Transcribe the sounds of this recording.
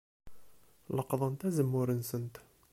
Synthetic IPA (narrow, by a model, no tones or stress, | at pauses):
ləqðˤənt̪æzəmːuɾənsənt̪